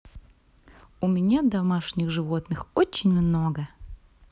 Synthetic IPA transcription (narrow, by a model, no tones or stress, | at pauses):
ʊmʲɪnʲad̪ɐmaʂnʲɪxʐɨvot̪nɨxot͡ɕːɪnʲmnoɡə